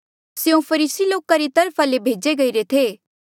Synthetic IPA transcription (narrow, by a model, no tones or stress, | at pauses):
sjũpʰɐɾiːsiloːkãɾit̪ɐɾpʰalebʱeːd͡ʒeɡɐiɾet̪ʰeː